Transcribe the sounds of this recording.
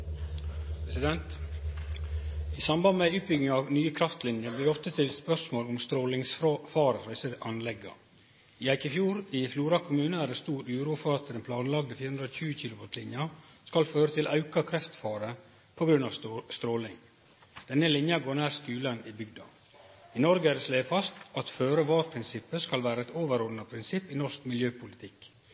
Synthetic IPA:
pʰɾɛsɪd̪ɛnt̪ | isɑmbɑnd̪mɛʉːt̪bʏɡɪŋɑʋnyːəkʰɾɑft̪lɪnjəb̪iːʋɔft̪ət̪ʰɪlspœʂmoːlɔmst̪ɾoːlɪŋsfɑːɾəæɪsəʔɑnlɛɡɑ̰ | iæɪkɪfjuːɾɪfluːɾɑkʰʊmʉːnəæːɾɛst̪uːɾʉːɾuːfɔɾɑt̪d̪ɛnpʰlɑːnlɑɡ̚d̪əfiːəhʉnɾoːçʉːəçɪlʊʋɑt̪lɪnjɑ | skɑlføːɾət̪ʰɪlʔɑʉkɑkʰɾɛft̪fɑːɾə | pʰɔɡɾʉnɑʋst̪ɾoːlɪŋ | d̪̥ɛnːəlɪnjɑɡoːɾnæːɾsk̪ʉːlənibʏɡd̪ɑ̰ | inɔɾɡəædɛsleːfɑst̪ɑt̪føːɾəʋɑːɾpʰɾɪnsɪpːəskɑlʋæːɾəɛt̪oːʋəɾɔːd̪nɑpʰɾɪnsɪpːɪnɔʂkmɪljøːpʰʊlɪt̪ʰɪk

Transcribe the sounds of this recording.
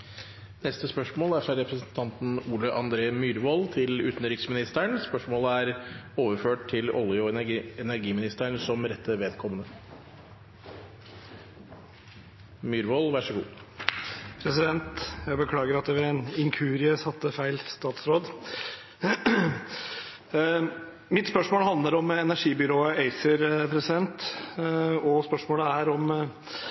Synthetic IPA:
nɛst̪əspœʂmoːlæʂæɾɛpɾəsn̩t̪ʰɑnt̪nuːləʔɑnd̪ɾeːmyːɾʋɔlt̪ʰɪlʉ̰ːt̪n̩ɾɪksmɪnɪst̪əɳspœʂmoːləæɾoːʋəføːʈt̪ʰːɪlɔ̰lɪʊɛnæɾɡiːmɪnɪst̪əɳsɔmɾɛt̪ʰːəʋeːd̪kʰɔmənə | myːɾʋoːlʋæʂəɡṵː | pʰɾɛsɪd̪ɛnt̪jæɪbəkʰlɑːɡəɾɑt̪̚d̪ɛʋɛɛnɪŋkʰʉːɾɪəsɑt̪ːəfæɪlst̪ɑːt̪sɾoːd̪ | mɪt̪spœʂmoːləhɑnd̪ləɾɔmɛnæʂiːbʏɾoːəeɪsəɾpʰɾɛsɪd̪ɛnt̪ | ɔspœʂmoːləæɾɔm

